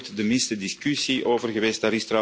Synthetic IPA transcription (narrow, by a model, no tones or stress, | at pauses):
tdəmɪnstədɪskysiʔoːvərɣəʋeːst̚daːɾɪstra